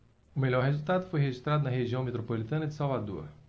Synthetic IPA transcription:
ʊmelʲɔɾhezulˠt̪ad̪ʊ̥fojɦeʒist̪ɾad̪ʊnɐɦeʒiɐ̃w̃met̪ɾopolit̪ɐ̃nɐd̪ɪ̥savad̪ṵɐ̰

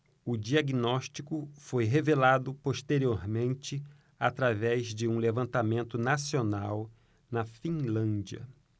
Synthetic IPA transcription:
ʊd͡ʒiaɡinɔʃt͡ʃikʊfojɦevelad̪ʊpoʃt̪eɾioɾmẽnt͡ʃɪ | at̪ɾavɛzd͡ʒɪũlevɐ̃nt̪amẽnt̪ʊnasionaw | nɐfĩlɐ̃nd͡ʒiɐ̰

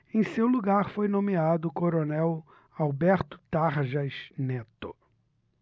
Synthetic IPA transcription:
ẽj̃sewluɡaɾfojnõmead̪ʊkoɾonɛw | awbɛɾt̪ʊ̥t̪aɾʒɐznet̪ʊ

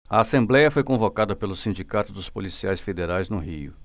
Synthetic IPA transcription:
ɐasẽmblɛjɐfojkõvokad̪ɐpelʊsĩnd͡ʒikat̪ʊd̪ʊspolisiajsfed̪eɾajznʊɦiʊ̰

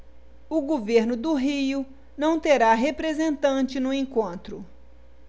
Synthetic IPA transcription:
ʊɡoveɾnʊd̪ʊɦijʊ | nɐ̃w̃t̪eɾaɦepɾezẽnt̪ɐ̃t͡ʃɪnʊẽkõnt̪ɾʊ

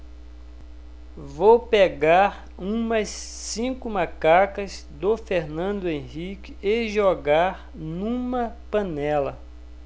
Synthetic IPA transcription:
vowpeɡaɾ | ũmɐsːĩkʊmakakɐz | d̪ofeɾnɐ̃d̪ʊẽhikɪeʒoɡaɾ | nũmɐpɐ̃nɛlɐ

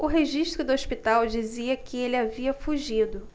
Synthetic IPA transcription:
ʊɦeʒiʃt̪ɾʊd̪ʊoʃpit̪awd͡ʒiziɐkɪelɪaviɐfuʒid̪ʊ

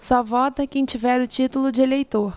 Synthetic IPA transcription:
sɔvɔt̪ɐkẽj̃t͡ʃivɛɾʊt͡ʃit̪ʊlʊd͡ʒɪelejt̪oɾ

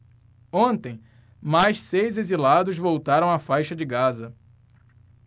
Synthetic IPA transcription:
õnt̪ẽj̃ | majʃsejzezilad̪ʊzvowt̪aɾɐ̃w̃afajʃɐd͡ʒɪɡazɐ

